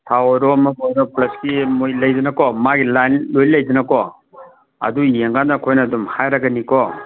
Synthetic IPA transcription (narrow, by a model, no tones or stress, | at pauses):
tʰawɔɾɔmɐbɔjɾɔplɐskimojlɐjd͡ʒanakɔmaɡilanlojlɐjd͡ʒanakɔ | ɐ̰dujeŋɡanakʰojnadumhajɾaɡanikɔ